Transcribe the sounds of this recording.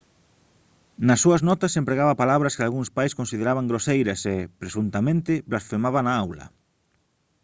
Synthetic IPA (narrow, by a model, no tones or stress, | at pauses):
nɐsːuɐznɔt̪ɐsempɾeɣaβɐpalaβɾɐskɪalɣuŋspajskõnsið̞eɾaβaŋɡɾosejɾɐsɛpɾesunt̪amẽnt̪ɪplasfemaβɐnaawlɐ̰